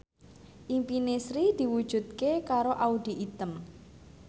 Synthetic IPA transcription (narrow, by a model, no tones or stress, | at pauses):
ʔimpinesɾid̪̥i̤wu̥ʒ̥ṳd̪̚kekaɾoʔaud̪̥i̤ʔit̪əm